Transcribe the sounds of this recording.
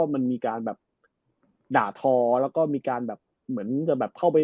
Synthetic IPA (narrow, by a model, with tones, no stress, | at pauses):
ɔː˥˩ma˧nmiː˧kaː˧nbɛː˨˩p̚ | daː˨˩t̪ʰɔː˧lɛː˦˥wkɔː˥˩miː˧kaː˧nbɛː˨˩p̚ | mɯ˩˦ənt͡ɕa˨˩bɛː˨˩p̚kʰa˥˩wp̬a˧j